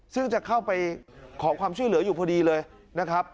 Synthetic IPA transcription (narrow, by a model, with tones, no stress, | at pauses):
sɯ˥˩ŋt͡ɕa˨˩kʰa˥˩wpa˧jkʰɔː˩˦kwaː˧mt͡ɕʰu˥˩jlɯ˩˦ɐjuː˨˩pʰɔː˧diː˧lɤː˧j | na˦˥kʰɾa˦˥p̚